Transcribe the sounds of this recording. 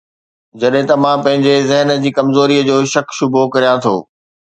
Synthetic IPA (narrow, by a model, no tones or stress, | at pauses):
d͡ʑɐɗɦɪ̃t̪ɐmãːpɐ̃ɦɪ̃ɲd͡ʑezɪɦnə̆d͡ʑiːkɐmzoːɾiəd͡ʑoːʃɐkʃʊbʱokɐɾijãt̪ʰo̰ː